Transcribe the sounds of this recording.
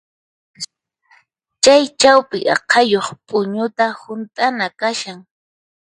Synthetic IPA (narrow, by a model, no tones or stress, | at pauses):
t͡ʃajt͡ʃawpɪʔɑ̰qʰɑjoχpʼʊɲʊt̪ahʊnt̪ʼanakaʃaŋ